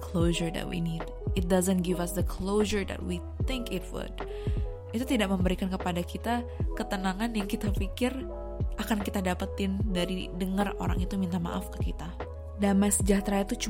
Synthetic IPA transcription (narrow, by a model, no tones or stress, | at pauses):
kʰloʒəɹdɛ̰t̚wḭnid | ɪt̪̚dazənɡɪvasd̪əkʰloʒəɹd̪a̰t̚wi | t̪ɪŋkɪt̚wʊ̰d | it̪ut̪idaʔ̚məmbəɾikankəpadakit̪akət̪ənaŋanjaŋkit̪afikɪr | ʔakankit̪adapət̪ɪndaɾidəŋəro̰ɾa̰ŋit̪umint̪ama̰ʔafkə̥kit̪a | damasəd͡ʒat̪ɾait̪ut͡ʃu